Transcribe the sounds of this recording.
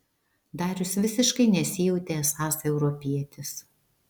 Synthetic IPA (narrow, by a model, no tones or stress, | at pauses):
d̪ɑːɾʲʊsʋʲɪsʲɪʃkɐɪnʲɛsʲɪjɛʊt̪ʲeːsɑːsɛʊɾɔpʲiɛt̪ʲɪs